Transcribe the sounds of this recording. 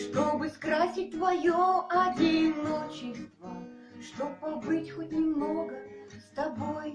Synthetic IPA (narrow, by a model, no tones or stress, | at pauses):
ʂt̪o̞bɨskɾasʲɪt̚ʲt̪vɐjoɐdʲinot͡ɕɪst̪və | ʂt̪opːɐbɨtʲxot̚ʲnʲɪmnoɡəst̪ɐboj